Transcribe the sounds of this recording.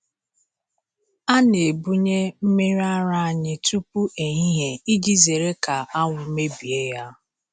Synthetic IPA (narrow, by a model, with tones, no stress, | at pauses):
a˦ne˨bu˦ɲe˦m̩˦me˦ɾa˦ɾa˦˨a˨ɲɪ˦tu˦pu˦ʔe˨ɲi˦ɦe˨i˦d͡ʒi˦ze˨ɾe˦ka˨a˦ŋʷʊ˨me˦bi˨e˦ja˦